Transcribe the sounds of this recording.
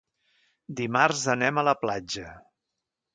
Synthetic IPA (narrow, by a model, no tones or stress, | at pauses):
d̪imarzənɛmələplad͡ʒə